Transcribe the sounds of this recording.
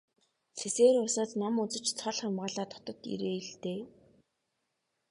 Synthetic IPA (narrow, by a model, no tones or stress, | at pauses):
seseːrʊsaːt̪namut͡sɘ̆t͡ɕt͡sʰɔɮχamʁaːɮaːt̪ʰɔ̥t̪ɞ̆t̪ḭɾeːiɮt̪eː